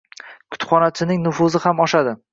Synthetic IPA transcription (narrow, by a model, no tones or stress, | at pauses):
kʰʊ̥t̪χɒnat͡ʃʰɪnɪŋnʊfʊzɪhamɒʃad̪ɪ